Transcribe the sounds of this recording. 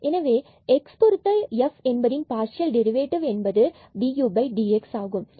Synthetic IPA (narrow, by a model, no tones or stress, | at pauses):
ʔɛnɐʋeː | ɛkskɔɾɯt̪ːɐɛfɛnbɐðɪnpaːɾʂɪjɐlɖɛɾɪʋeːʈɪʋɛnbɐðɯ | ɖiːjuːbɐɪɖiːɛksaːɣɯm